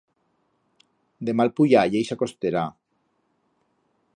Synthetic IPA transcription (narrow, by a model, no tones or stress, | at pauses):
d̪emalpujajejsakost̪eɾa